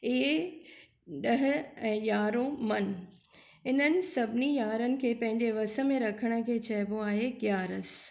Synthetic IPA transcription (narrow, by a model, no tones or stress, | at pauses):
e | ɗɐɦɪ̆ɛ̃ːjaːɾomɐn | ɪnənɪ̆sɐbʱɪnijaːɾənɪ̆kʰeːpɐ̃ɦɪ̃ɲd͡ʑeʋɐsə̆mẽɾɐkʰəɽ̃ə̆kʰeːt͡ɕʰɐɦɪboaːɦekjaːɾəs